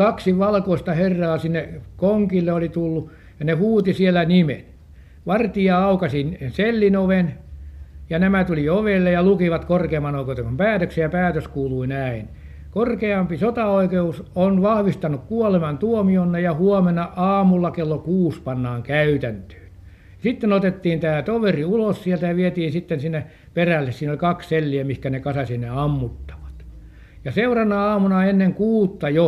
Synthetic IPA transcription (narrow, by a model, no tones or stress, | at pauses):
kɑksiʋɑlkoist̪ɑherːɑːsinːekoŋkilːeolit̪ulːu | jɑnehuːt̪isielːˑænimḛn | ʋɑrt̪iɑɑukɑsinselːinoʋen | jɑnæmæt̪ulioʋelːejɑlukiʋɑt̪korkeːmːɑnoˑikeˑut̪eŋkumpæːt̪øksejɑpæːt̪øskuːluinæin | korkeɑmpisot̪ɑoikeusonʋɑhʋist̪ɑnukkuolemɑnt̪uomionːejjɑhuomenɑʔɑːmulːɑkelːokuːspɑnːɑːŋkæyt̪ænt̪ø̥ːn | jsit̪ːenot̪et̪ːiːnt̪æːt̪oʋeriulossielt̪æjɑʋiet̪iːnsit̪ːensinːe | perælːessiːnolʲkɑksselːiæmihkænekɑsɑsinːeɑmːut̪ːɑ̥ʋɑ̥t̪ | jɑseurɑnːɑɑːmunɑenːeŋkuːt̪ːɑjo